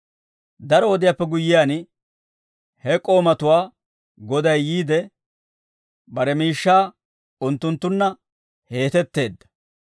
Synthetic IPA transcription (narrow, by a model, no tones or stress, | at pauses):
d̪ɐɾɔɔd̪ɪjapːɛɡʊjːɪjaːn | hɛkʼo̞ːmɐt̪ʊwaː | ɡɔd̪ɐjːiːd̪ɛ | bɐɾɛmiːʃːaː | ʊnt̪ːʊnt̪ːʊnːɐ | he̞ːt̪ɛt̪ːe̞ːd̪ːɐ̥